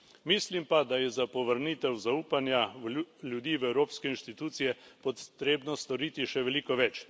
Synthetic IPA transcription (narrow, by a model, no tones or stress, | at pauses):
miːslimpad̪ajɛzapɔʋəɾniːt̪ɛwzauːpanjaljud̪iːʋɛwɾoːpskɛinʃt̪it̪uːt̪sijɛpɔt̪ɾeːbnɔst̪ɔɾiːt̪iʃɛʋɛliːkɔʋɛt͡ʃ